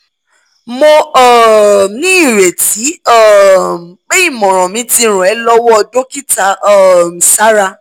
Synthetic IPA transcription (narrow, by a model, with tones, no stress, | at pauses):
mo˧ɔ˦˨nĩ˦i˦˨ɾe˨ti˨˦ɔ˦˨m˨k͡pe˦i˦˨mɔ̃˨ɾ̃ɔ̃˨mĩ˨˦ti˧ɾ̃ũ˨ɛ˨˦lɔ˦wɔ˦˧do˦ki˦ta˧˦˨m̩˨sa˦ɾa˧